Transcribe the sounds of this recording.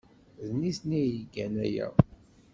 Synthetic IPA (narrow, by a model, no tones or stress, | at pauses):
ðnisnijəɡːænæ̰jæ̰